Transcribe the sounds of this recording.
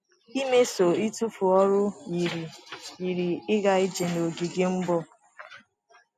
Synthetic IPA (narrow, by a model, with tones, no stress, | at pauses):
i˦me˦so˨i˦tu˦fu˨ɔ˦ɾʊ˦ji˨ɾi˨ji˨ɾi˨ɪ˦ɡa˦i˦d͡ʒe˨no˨ɡi˨ɡe˦m̩˦bɔ˦